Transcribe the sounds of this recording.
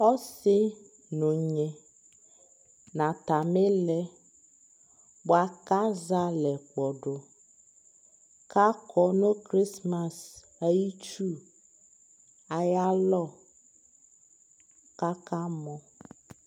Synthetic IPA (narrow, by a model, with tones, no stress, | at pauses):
ɔ˦sɪ˦ | no˨ɲe˨ | nã˨t̪a˨me˦lɛ˦ | bo˨a˨ka˦za˦lɛ˨k͡pɔ˨ɖo˨ | ka˦kʰɔ˦nõ˦kɾi˦sma˨s | a˨ji˦t͡ʃu˦ | a˨ja˦lɔ˦˨ | ka˦ka˦mɔ̃˦